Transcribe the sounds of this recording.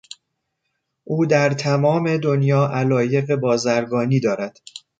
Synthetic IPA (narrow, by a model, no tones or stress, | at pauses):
ʔuːd̪æɾt̪ʰæmɒːme̞d̪onjɒːʔælɒːje̞ɣe̞bɒːzæɾɡɒːniːd̪ɒːɾæd̪̥